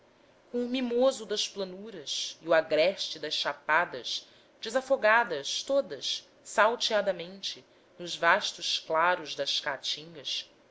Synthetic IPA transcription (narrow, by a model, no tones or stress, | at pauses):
kõʊmimozʊd̪ɐʃplɐnuɾɐsiuaɡɾɛʃt͡ʃɪd̪ɐʃʃapad̪ɐʃ | d͡ʒɪzafoɡad̪ɐʃt̪od̪ɐʃ | sawt͡ʃiad̪ɐmẽnt͡ʃɪ | nʊzvaʃt̪ʊʃklaɾʊzd̪ɐʃkat͡ʃĩŋɡɐs